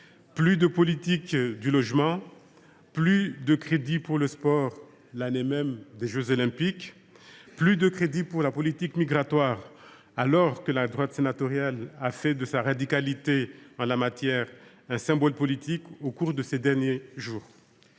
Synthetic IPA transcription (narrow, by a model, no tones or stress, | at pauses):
plyd̪əpɔlit̪ikd̪ylɔʒmɑ̃ | plyd̪əkχed̪ipuʁləspɔʁ | lanemɛmd̪eʒøzolɛ̃pik | plyd̪əkχed̪ipuʁlapɔlit̪ikmiɡʁat̪waʁ | alɔʁkəlad̪ʁwat̪senat̪ɔʁjalafɛd̪əsaʁad̪ikalit̪eɑ̃lamat̪jɛʁ | ɛ̃sɛ̃bɔlpɔlit̪ikokuʁd̪əsed̪ɛʁnjeʒuːʁ